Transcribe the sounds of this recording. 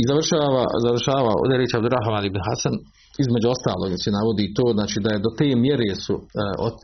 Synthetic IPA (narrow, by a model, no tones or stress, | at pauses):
izaʋr̩ʃaːʋa̰zaʋr̩ʃaːʋao̰d̪eɾeːt͡ʃabd̪uɾaɦamalibnɦasan | izme̞d͡ʒuo̞st̪aːloːɡsenaʋo̞d̪iːt̪oːznaːt͡ʃiːd̪aje̞d̪ot̪eːmjeɾeːsuo